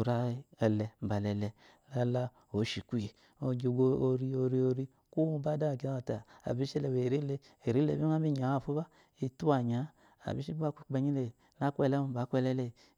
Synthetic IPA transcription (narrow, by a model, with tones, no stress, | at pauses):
ɾa˦ɛ˧lɛ˧˨ba˨lɛ˧lɛ˧ | la˧la˧ | o˨˦ʃi˨kʷi˨ | o˧ɡi˧˨ɡo˧o˧ɾi˧o˧ɾi˧o˧ɾi˧ | ku˦˧ba˦da˦˨ɡi˧˨˦a˨ta˨a̰˨bi˨˦ʃle˧˨we˨ɾi˦le˧ | e˨ɾi˨˦le˧˨bi˦a˦bi˦˨ɲ˨a˨˦a˦˨fu˦ba˦ | i˧tu˦a˨ɲa˨˦ | a̰˨bi˨˦ʃi˦ba˦kʷi˧˨k͡pe˧ɲi˦le˧˨ | na˦kʷɛ˧˨lɛ˦m˧˨ba˨˦kʷɛ˦˧lɛ˦le˧˨